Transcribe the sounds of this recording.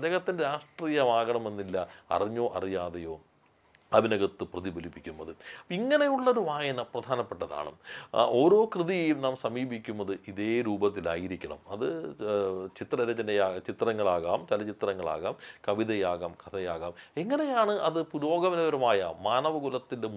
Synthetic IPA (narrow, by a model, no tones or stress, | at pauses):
ɐd̪eːɣɐt̪ːindeɾaːʂʈriːjɐʋaːɣɐɳɐmenːilːɐɐ̰riɲːo̞ːʔɐrijaːðɐjo̞ː | ɐʋinɐɣɐt̪ːɨprɐðibɐlipːikʲːunːɐðɨiŋːɐnejuɭːoɾuʋaːjɐnɐprɐd̪ʱaːnɐpːeʈːɐða̰ːɳɨ̰o̞ːɾo̞ːkrɨðijejumnaːmsɐmiːbikʲːunːɐðɨʔiðe̞ːɾuːbɐt̪ːila̰ːjiɾikʲːɐɳɐ̰mɐðɨ | t͡ɕit̪rɐɾɐt͡ɕːɐnejaːt͡ɕit̪rɐŋːɐɭaːɣaːmt͡ɕɐlɐt͡ɕit̪rɐŋːɐɭa̰ːɣaːmkɐʋiðɐjaːɣɐmkʰɐt̪ʰɐjaːɣaːmeŋːɐne̞jaːɳɨʔɐðɨpuɾo̞ːɡɐʋɐnɐʋɐɾɐmaːjɐmaːnɐʋɐɡulɐt̪ːinde